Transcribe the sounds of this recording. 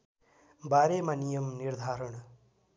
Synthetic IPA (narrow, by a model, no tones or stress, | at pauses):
baɾemanijʌmniɾd̪ʱaːɾəɳ